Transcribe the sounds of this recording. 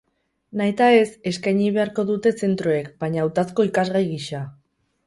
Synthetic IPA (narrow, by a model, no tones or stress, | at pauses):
naet̪ae̞se̞skajɲiβ̞e̞aɾko̞ðut̪e̞se̞nt̪ɾoe̞kbaɲaːwt̪asko̞ikazɣajɣiʃa